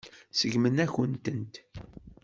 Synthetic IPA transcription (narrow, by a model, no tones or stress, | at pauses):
səʝmənæçənt̪ənt̪